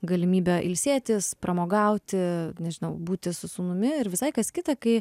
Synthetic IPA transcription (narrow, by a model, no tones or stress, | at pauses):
ɡɐlʲɪmʲiːbʲɛʔɪ̰lʲsʲeːt̪ʲɪspɾɐmoːɡɐʊt̪ʲɪnʲɛʒʲɪnɐʊbuːt̪ʲɪsʊsuːnʊmʲɪɪɾʋʲɪsɐɪkɐskʲɪt̪ɐkɐɪ